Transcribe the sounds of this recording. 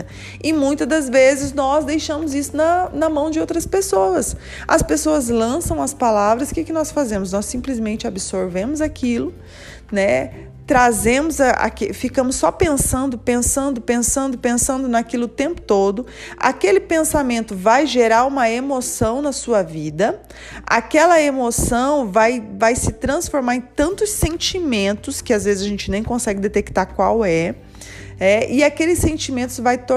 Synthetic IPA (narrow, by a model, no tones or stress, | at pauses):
ɪmũj̃t̪ɐd̪ɐzvezɪznɔzd̪ejʃɐ̃mʊzisʊnɐnɐmɐ̃w̃d͡ʒɪowt̪ɾɐspesoɐs | ɐspesoɐzlɐ̃sɐ̃w̃ɐspalavɾɐskɪkɪnɔsfazẽmʊznɔssĩplɪzmẽnt͡ʃɪabɪsoɾvẽmʊzakʰilʊ | nɛ | t̪ɾazẽmʊzɐa̰kefikɐ̃mʊsːɔpẽsɐ̃nd̪ʊpẽsɐ̃nd̪ʊpẽsɐ̃nd̪ʊpẽsɐ̃nd̪ʊnakilʊt̪ẽmpʊ̥t̪od̪ʊ | a̰kelɪpẽsamẽnt̪ʊvajʒeɾaɾũmɐemosɐ̃w̃nɐsuɐvid̪ɐ | a̰kɛlɐemosɐ̃w̃vajvajsɪt̪ɾɐ̃sfoɾmaɾẽj̃t̪ɐ̃nt̪ʊsːẽnt͡ʃimẽnt̪ʊskɪazvezɪzɐʒẽnt͡ʃɪnẽj̃kõsɛɡɪd̪et̪ekt̪aɾkwawɛ | nɛɪakelɪsːẽnt͡ʃimẽnt̪ʊzvajt̪o